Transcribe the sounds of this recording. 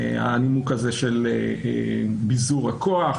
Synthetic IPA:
a̰nimukazeʃeleebizuʁakoaχ

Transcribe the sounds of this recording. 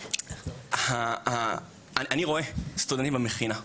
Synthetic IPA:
haha | aʔaniʁo̞est̪udent̪imbameχina

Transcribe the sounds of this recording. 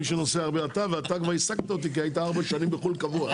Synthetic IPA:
iʃenose̞aʁbeat̪aveat̪akvaʁisaɡ̚t̪ao̞t̪̬ik̬iajit̪aaʁbaʃanimbeχulkavua

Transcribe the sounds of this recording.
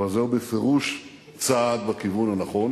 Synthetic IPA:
azeubefeʁuʃ | t͡sad̪bakivunhanaχo̞n

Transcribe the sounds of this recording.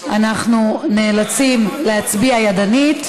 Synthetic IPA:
anaχnuneːlat͡simleat͡sbiajadanit

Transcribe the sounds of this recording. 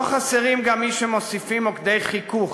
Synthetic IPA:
χaseʁimɡamːiʃemo̞sifimokd̪e̞jχikuχ

